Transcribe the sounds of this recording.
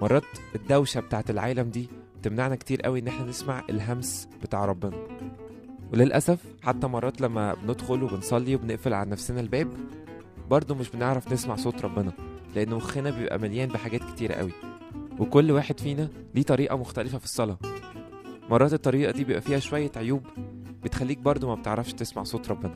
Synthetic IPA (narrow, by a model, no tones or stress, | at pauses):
mɑrˤːɑːt̪ed̪ːæwʃæbet̪aːʕt̪elʕaːlæmd̪iː | et̪emnaʕnækt̪iːɾʔæ̰wiʔenːeħnænesmaʕḛlɦæmsb̥et̪aːʕɾˤɑbːenɑ | welelʔæsæf | ħat̪ːæmɑrˤːɑːt̪læmːæ̰bened̪xolwebensˤɑlːiwebeneʔfelʕalænæfsenælbæːb | bɑɾˤd̪ˤomeʃbeneʕɾæfnesmaʕsˤoːt̪ɾˤɑbːenɑleʔenːwoxenæbejebʔæ̰mæljæːnbeħaɡæːt̪̚ke̥t̪iːɾæ̰ʔæ̰wi | wekolːwaːħed̪fiːnæ | d̪iːt̪ˤɑɾiːʔɑmoxt̪ælefæfi̥sˤːɑlɑ | mɑrˤɑːt̪et̪ˤːɑɾiːʔɑd̪ibejebʔæfiːhæʃowæjːæt̪ʕojuːbbet̪xælːiːk̚bɑɾˤd̪ˤomæbet̪eʕɾˤɑfʃt̪esma̰ʕsˤoːt̪ɾˤɑbːenɑ